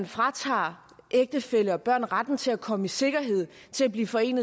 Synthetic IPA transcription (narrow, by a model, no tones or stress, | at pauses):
nfʁɑ̈t͡sʰɑ̰̈ː | ʔeɡ̥̚d̥əfel̰əɒ̽b̥ɶɐ̰nʁad̥n̩t͡sʰe̝lækʰɒ̽məise̝ɡ̥ɐɦe̝ð̰ˠ | t͡sʰe̝læb̥liːfɒ̽e̝̰ːnðˠ